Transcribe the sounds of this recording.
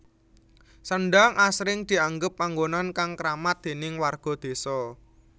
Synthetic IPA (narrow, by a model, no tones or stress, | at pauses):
sənɖaŋʔasɾɪŋd̪̥i̤aŋɡəpːaŋɡonankaŋkɾamat̪̚d̪̥e̤nɪŋwarɡ̥ɔ̤d̪̥e̤sɔ